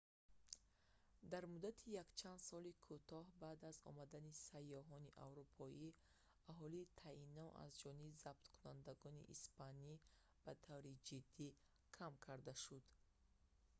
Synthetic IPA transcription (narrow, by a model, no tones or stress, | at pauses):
d̪aɾmud̪at̪ʰijakt͡ʃʰand̪sɔlikʰut̪ʰɔhbaːd̪azɔ̰mad̪anisajːɔɦɔniʔa̰vɾupʰɔi | aɦɔliːt̪ʰainːɔʔa̰zd͡ʒɔnibizab̚t̪kʰunand̪aɡɔnḭʔḭspani | b̥at̪ʰavɾid͡ʒid̪ːi | kʰamkʰaɾd̪aʃud̪̥